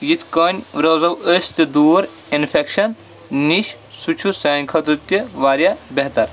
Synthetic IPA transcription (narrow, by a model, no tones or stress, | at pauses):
jit̪ʰkɐnʲɾozɐwəsʲt̪ed̪uːɾ | infʰekʃɐnː | iʃ | sut͡ʃʰusɐːnʲkʰɐt̪ɾɨt̪ːiʋaːɾjabeɦt̪ɐɾ